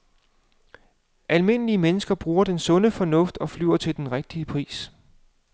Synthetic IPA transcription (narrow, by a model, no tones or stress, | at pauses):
ʔælme̝n̰əliəmenəsɡ̥ɐb̥ʁuːɐd̥ensɔ̽nəfɒ̽nɔ̽fd̥ɒ̽flyʊ̰ɐt͡sʰe̝ld̥enʁeɡ̥̚d̥iəpʰʁḭːs